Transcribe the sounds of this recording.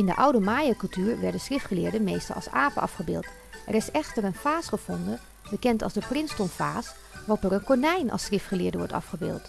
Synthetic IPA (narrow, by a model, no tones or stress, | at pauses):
ɪndə̰ʔawdəmaːjəkɵlˠtyːɹʋɛɹdənsχrɪftχəlɪːɹdənmejstɑ̰lˠɑ̰lˠsaːpə̰ʔɑ̰fχəbɪ̰ːlˠt | ʔɛrɪsɛxtərənfaːsχəfɔndə | bəkɛntɑ̰lˠsdəprɪnstɔnfaːs | ɔpərənkonɛjnʔɑ̰srɪftχəlɪːɹdəʋɔ̰ɹtɑ̰fχəbɪ̰ːlˠt